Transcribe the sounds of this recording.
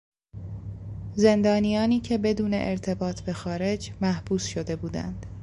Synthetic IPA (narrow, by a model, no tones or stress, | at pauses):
ze̞nd̪ɒːnijɒːniːcʰe̞be̞d̪uːne̞̰ʔeɾt̪ʰe̞bɒːt̪ʰbe̞xɒːɾe̞d͡ʒmæhb̥uːsʃod̪e̞buːd̪æ̰nd̪̥